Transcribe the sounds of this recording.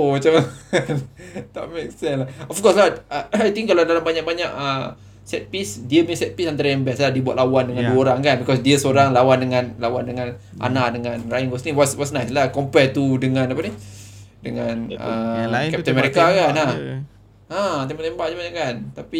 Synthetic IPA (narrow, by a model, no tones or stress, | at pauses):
omat͡ʃamnt̪a̰ʔmek̚sɛ̃nlaɔfkɔslaajt̪iŋkːaladalambaɲakbaɲaʔə | sɛt̪̚pisdiəmĩnsɛt̪̚pisant̪aɾajambasladiəbuat̪̚lawandəŋãnduəoɾaŋkanbikɔsdiəsoɾaŋlawandəŋãnlawandəŋãn | ʔa̰naʔdəŋãnrajinɡɔsniwɔswɔsnajslahkɔmpɛt̪udəŋãnapanidəŋãnə̰kɛp̚t̪ə̃nmɛɾikakana | at̪embaʔt̪ɛmbaʔd͡ʒabaɲaʔkant̪api